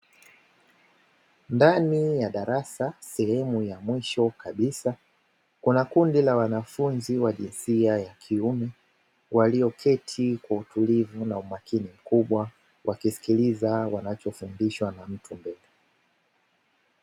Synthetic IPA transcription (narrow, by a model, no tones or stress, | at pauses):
ndanijaɗaɾasasɛhɛmujamwiʃɔkaɓisa | kunakundilawanafunziwaʄinsiajakʰiumɛ | wʔaliɔkʰɛtʰikwautʰulivunaumakinim̩kuɓwa | wʔakisi̥kilizawanat͡ʃɔfundiʃwanam̩tʰumbɛlɛ